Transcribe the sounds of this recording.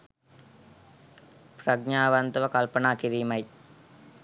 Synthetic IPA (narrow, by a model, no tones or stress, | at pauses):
pɾɐɡɲaːʋɐnd̪ʋɐkɐlpɐnaːkiɾiːmɐɪ